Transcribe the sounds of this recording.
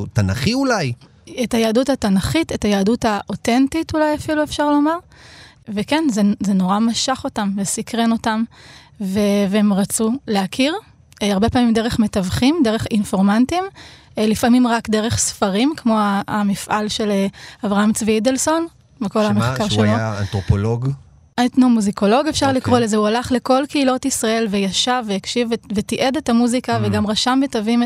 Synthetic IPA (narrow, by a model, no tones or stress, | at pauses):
t̪anaχiulaj | etajaːduthatanaχitetajaːdutaʔotentitulajafiluefʃaʁlo̞maʁ | vekenzezeno̞ʁamaʃaχo̞tamvesikʁeno̞tam | veveemʁat͡suleakʰiʁ | aʁbe̞paːmimde̞ʁeχme̞tavχimdeʁe̞χinfo̞ʁmantim | lifamimʁakdeʁe̞χsfaʁimkmo̞amifʔalʃe̞leavʁaamt͡sviidelso̞n | miko̞lameχkaʁʃeloant̪ʁopoloɡ | tnomuziko̞lo̞ɡe̞fʃaʁlikʁo̞lezeualaχle̞ko̞lkeilo̞tisʁae̞lvejaʃavejakʃivvetiʔe̞dethamuzikaveɡamʁaʃambetavim